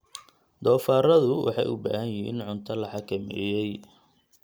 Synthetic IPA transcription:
d̪ɔːfaːɾɐðʊwʔɑ̰ħɑjʊ̰ba̰ːhɐnjɪɦḭːnʕʊnt̪ʰɐlɐħɑkʰɐmɛ̰ːjɛj

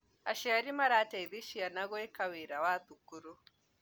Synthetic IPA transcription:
aʃɛaɾimaɾataiðiʃianaɣɔekaweɾawat̪ukuɾu

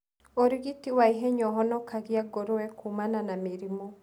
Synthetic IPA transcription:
oɾiɣitiwaiɦɛɲɔɦɔnɔkaɣiaɡoɾoɛkumananameɾimɔ

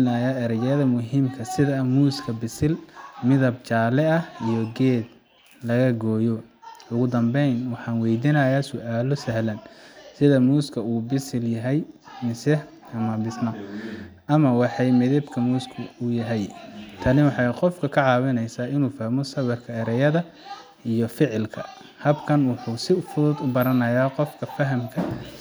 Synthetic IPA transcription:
nɐjaːɛɾjɐðɐmʊɦiːmkʰɐsɪðɐmuːskʰɐbɪsɪlmɪðɐb̚t͡ʃaːlɛɐijɔɡɛːd̪ | lɐɣɐɡɔːjɔʊɣʊd̪ɐmbɛjnwɑħɑːnwɛjd̪ɪnɐjaːsɔʔaːlɔsɐɦlɐnsɪðɐmuːskʰɐuːbɪsɪljɐɦɛjmɪsɛ | ɐmɐbɪsnɐmʔɐmɐwɑħɑjmɪðɛb̪kʰɐmuːskʰʊʊjɐɦɛjt̪ʰɐnɪwɑħɑjqɔfkʰɐkʰɐʕɑːwɪnɛjsaːɪnuːfɐhmɔsɐwɛrkʰɐɛɾɛjɐðɐ | ʔijɔfɪʕɪlkʰɐ̰ | hɐbkʰɐnwʊħuːsɪfʊðʊd̪ʊbɐɾɐnɐjaːqɔfkʰɐfɐɦɐmkʰɐ

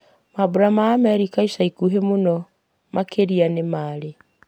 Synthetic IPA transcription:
mabuɾamaːmɛɾikaisaikuɦemonɔ | makʰeɾianemaːɾe

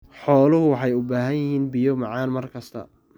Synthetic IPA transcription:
ħɔːlʊɦʊwɑħɑjʊbaːɦɐjjɪhiːnbɪjɔmɑʕɑːnmɐrkʰɐst̪ʰɐ̰

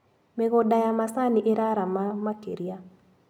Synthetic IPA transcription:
mɛɣɔdajamasaniʔeɾaɾamamakḛɾia

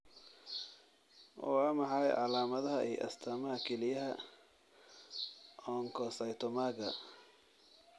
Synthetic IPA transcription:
wɔ̰amɐħɑjʕɑlaːmɐðɐɦɐʔḭːʔɐ̰st̪ʰaːmɐhɐkʰɛlɪjɐɦɐ | ʔɔːŋkʰɔsɐjt̪ʰɔmaːɡɐ

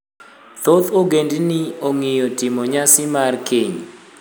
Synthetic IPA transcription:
t̪ot̪ʰoɡendinioŋijɔtɪmɔɲasɪmarkʰeɲ

